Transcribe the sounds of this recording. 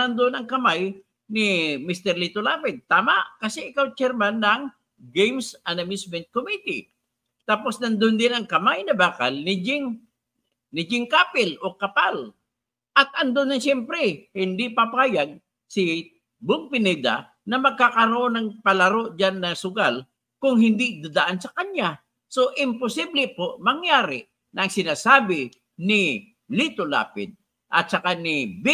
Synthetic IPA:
ɐnd̪onɐŋkɐmaj | nɪmist̪ɛɾlit̪olaːpɛd̪̚t̪aːmaʔkɐsɛʔɪkawt͡ʃɛɾmanːɐŋ | ɡejmsʔanamɪsmɛnt̪̚komit̪ḭ | t̪aːpo̞snɐnd̪ond̪ɪnɐŋkɐmajnɐbaːkalnɪd͡ʒɪŋ | nɪd͡ʒɪŋkaːpɪlʔokɐpal | ʔɐt̪̚ʔɐnd̪onːɐnsɛmpɾɛhɪnd̪ɪpapaːjaɡ̚ | sɪ | bʊɡ̚pɪnɛd̪a̰ | nɐmɐɡ̚kakɐɾoʔonɐŋpɐlɐɾoʔd͡ʒanːɐsʊɡal | kʊŋhɪnd̪ɪd̪ad̪aʔansɐkaɲja | soʔɪmpʊsiblɪpoʔmɐŋjaːɾɪ | nɐŋsɪnaːsaːbɪ | nɪ | lit̪ola̰ːpɪd̪̚ | ʔɐ̰t̪̚sɐkanɪb

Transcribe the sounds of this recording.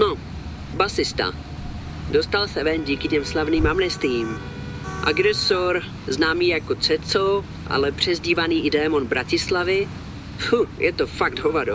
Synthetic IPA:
no | basɪst̪a̰ | dost̪alsɛvɛnɟiːkɪcɛmslavniːmamɲɛst̪viːm | ʔa̰ɡɾɛsoɾ | znaːmiːjakot͡sɛt͡so | ʔa̰lɛpr̝̥ɛzɟiːvaniːʔɪdɛːmo̞nbɾʔacɪslavɪ | fujʔɛt̪o̞faɡ̚d̪ɦovado

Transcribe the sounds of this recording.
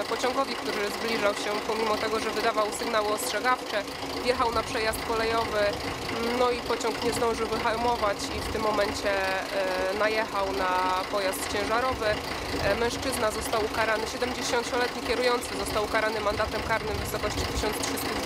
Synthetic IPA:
pɔt͡ɕɔŋɡɔvʲjik̚t̪uɾɘzblʲiʐawɕɛpɔmʲimɔt̪ɛɡɔʐɛvɘd̪avawsɘɡnawɘɔstʂɛɡaft͡ʂɛ | vjɛxawnapʂɛjast̪̚kɔlɛjɔvɘ | nɔipɔt͡ɕɔŋkɲɛzd̪ɔ̃w̃ʐɘwvɘxalmɔvat͡ɕift̪ɘmːɔmɛɲt͡ɕɛ | najɛxawnapɔjast̪t͡ɕɛ̃w̃ʐaɾɔvɘ | mɛ̃ʂt͡ʂɘznazɔst̪awukaɾanɘɕɛd̪ɛmd͡ʑeɕɔnt͡ɕɔlɛt̪ɲikʲɛɾujɔnt̪sɘzɔst̪awkaɾanɘmand̪at̪ɛmkaɾnɘvɘsɔkɔɕt͡ɕit̪ɘɕɔnt̪stʂɘst̪u

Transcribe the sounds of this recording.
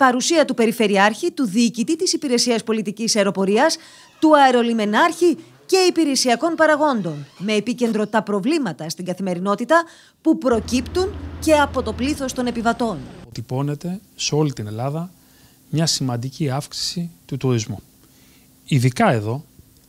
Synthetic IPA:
pɐɾusiɐt̪upe̞ɾife̞ɾiɐɾçit̪uðicit̪it̪isipiɾe̞siɐspo̞lit̪icisɐeɾo̞po̞ɾiɐs | t̪uɐeɾo̞lime̞nɐɾçi | ce̞ipiɾe̞siɐko̞npɐɾɐɣo̞nd̪o̞nme̞ːpice̞nd̪ɾo̞t̪ɐpɾo̞vlimɐt̪ɐst̪iŋɡɐθime̞ɾino̞t̪it̪ɐ | pupɾo̞cipt̪unce̞ɐpo̞t̪o̞pliθo̞st̪o̞ne̞pivɐt̪o̞not̪ipo̞ne̞t̪e̞seo̞lit̪ine̞lɐðɐ | mɲɐsimɐnd̪iciɐfksi̥sit̪ut̪uɾizmu | iðikɐe̞ðo̞

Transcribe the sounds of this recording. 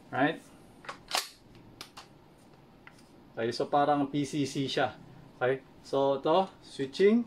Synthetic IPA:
ɹajt̪̚ | kajsopaɾaŋpisisiʃahoke | sot̪ɔhswit͡ʃɪŋ

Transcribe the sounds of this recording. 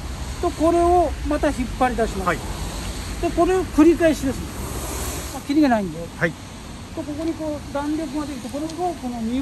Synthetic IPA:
t̪o̞ko̞ɾe̞o̞mat̪açipːaɾʲid̪aɕima | t̪e̞ko̞ɾe̞okɯ̟ɾʲikaeɕid̪esɨne | akʲːiɾʲiɡanaĩnd̪e | t̪o̞ko̞ko̞ɲ̟ikoːd̪ãnɾʲokɯɡad̪e̞kʲi̥t̪ekoɾeɡoko̞no̞mʲi

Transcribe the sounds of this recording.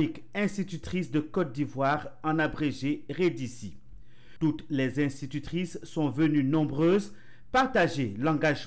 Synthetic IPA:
ik | ɛ̃st̪it̪yt̪χisd̪əkɔt̪̚d̪ivwaʁɑ̃nabʁeʒeʁed̪isi | t̪ut̪lɛzɛ̃st̪it̪yt̪χisːɔ̃vənynɔ̃bʁøːz | paʁt̪aʒelɑ̃ɡaʒ

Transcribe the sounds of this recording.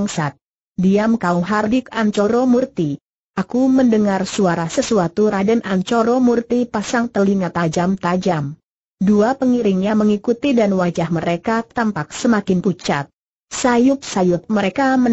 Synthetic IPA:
ŋsat̪̚ | diamkauŋɦardɪkaɲt͡ʃɔɾomurt̪i | ʔakuməndəŋarsuaɾasəsuat̪uɾadənʔaɲt͡ʃoɾomurt̪ipasaŋt̪əliŋat̪ad͡ʒamt̪ad͡ʒam | duapəŋiɾɪŋɲaməŋikut̪idanwad͡ʒahməɾekat̪ampak̚səmakɪnput͡ʃa̰t̪̚ | sajʊp̚sajʊp̚məɾekamə

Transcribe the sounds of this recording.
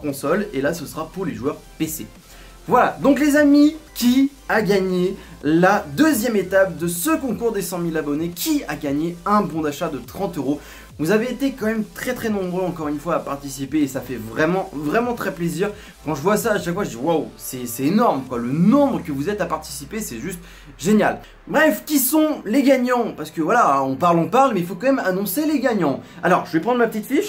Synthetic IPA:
kɔ̃sɔlelasəsə̥ʁapuʁleʒwœʁpese | vwalad̪ɔ̃klezamikʲi | aɡaɲelad̪əzjɛmet̪ap̚d̪əsəkɔ̃kuʁd̪esɑ̃milabɔnekʲʰiaɡaɲeɛ̃bɔ̃d̪aʃad̪ət̪χɑ̃t̪øʁo | vuzaveːt̪ekɑ̃mɛmt̪χɛt̪χɛnɔ̃bʁøɑ̃kɔʁynfwaːpaʁt̪isipeːsafɛvʁɛmɑ̃vʁɛmɑ̃t̪χɛpleziːʁ | kɑ̃ʒəvwasaːʃakfwaʒəd̪iwawsɛsɛt̪enɔʁmkwalənɔ̃bʁəkəvuzɛt̪apaʁt̪i̥sipesɛʒyst̪ | ʒenjal | bʁɛfkʲisɔ̃leɡaɲɑ̃paʁsə̥kəvwalaɔ̃paʁlɔ̃paʁlmɛilfokɑ̃mɛmanɔ̃seleɡaɲɑ̃alɔʁʒəvɛpχɑ̃d̪ʁmapət̪it̪fiʃ

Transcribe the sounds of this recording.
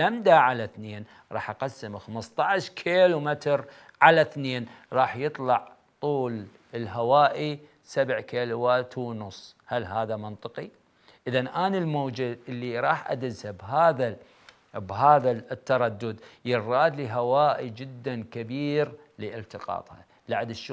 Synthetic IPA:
lamd̪aʕalaθneːn | ɾˤɑ̰ːħʔɑqasːɪmxamɨst̪ˤɑʕʃkʰeːlumɪt̪ɾ | ʕalaθneːnɾˤɑːħjɨt̪ˤlɑʕ | t̪ˤuːl | ɪlɦawaːʔi | sabʕkeːluwaːt̪wnʊsˤːhalɦaːðamɪnt̪ˤɨqi | ʔɪðanʔaːnalmoːd͡ʒaʔɪlːiɾˤɑːħʔa̰d̪ɪzabɦaːða | bɦaːðat̪ːɑɾˤɑd̪ːʊd̪jɪrˤːɑːd̪liɦawaːʔid͡ʒɪd̪ːankabiːɾ | liʔɪlt̪əqɑ̰ːt̪ˤhɑ̰ | laʕad̪ɪʃː

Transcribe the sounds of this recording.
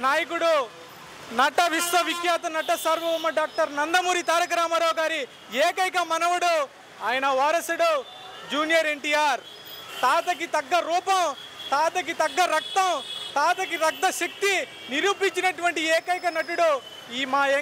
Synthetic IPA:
naːjikuɽu | nɐʈɐʋiʂʋɐʋikjaːt̪ɐnɐʈɐsɐɾʋɐumːɐɖaːk̚ʈɐɾnɐnd̪ɐmuːɾit̪aːɾɐk̬ɐɾaːmɐɾoːɡaːɾi | eːkɐjk̬ɐmɐnɐʋuɽu | aːjɐnɐʋaːɾɐsɐɽo | d͡ʒuːnijɐɾeɳʈiːjaːɾ | t̪aːt̪ɐk̬it̪ɐɡːɐɾuːpɐm | t̪aːt̪ɐk̬it̪ɐɡːɐɾɐk̚t̪ɐmt̪aːt̪ɐkiɾɐk̚d̪ɐʃɐk̚t̪i | niɾuːpiɲt͡ʃinɐʈuʋɐɳʈieːkɐjkɐnɐʈuɽu | iːmaːe

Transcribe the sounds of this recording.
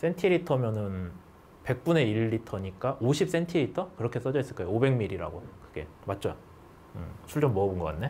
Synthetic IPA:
s͈ʰe̞ntʰiɾitʰʌmjʌnɯn | pe̞k̚p͈une̞iɭːitʰʌɲik͈aʔoɕʰip̚s͈e̞ntʰiɾitʰʌkɯɾʌkʰe̞s͈ʌd͡ʑʌis͈ɯɭk͈ajoobe̞ŋmiɾiɾa̰ɡokɯɡe̞̰mat̚t͡ɕ͈oja | ɯ̰sʰuɭd͡ʑomːʌːbɯnɡʌk͈atne

